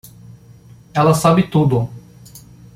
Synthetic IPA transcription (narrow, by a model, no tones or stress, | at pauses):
ɛlɐsabɪt̪ud̪ʊ